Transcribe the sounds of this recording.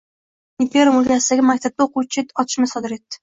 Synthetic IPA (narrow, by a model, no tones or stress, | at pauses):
impʲeɾomʊlt̪ʲʰasɪd̪aɡʲɪmakʲt̪ʰab̚d̪aoqut͡ʃʰɪt̪ɒt̪ʰɪ̥ʃmɪsɒd̪ɪɾe̞t̪ːɪ̥